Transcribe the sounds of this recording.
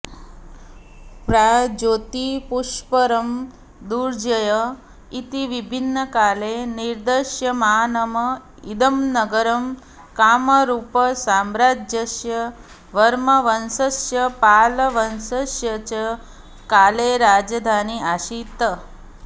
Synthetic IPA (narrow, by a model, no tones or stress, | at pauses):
pɾad͡ʒot̪ipuʃpəɾəm | d̪uɾd͡ʒəjə | it̪iʋibʱinːəkaleniɾd̪əʃjəmaanəmə | id̪əmnəɡəɾəm | kaməɾupəsamɾad͡ʒjəʃjə | ʋəɾməʋənsəsjəpaləʋənsəʃjət͡ʃə | kaleɾad͡ʒəd̪ʱaniaʃit̪ə